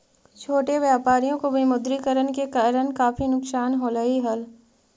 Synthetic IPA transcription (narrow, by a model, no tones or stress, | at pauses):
t͡ʃʰoːʈeʋjaːpaːɾijõkobʱimʊd̪ɾikəɾənkekɐɾənkaːfʰinʊksaːnɦolɐɦiɦɐl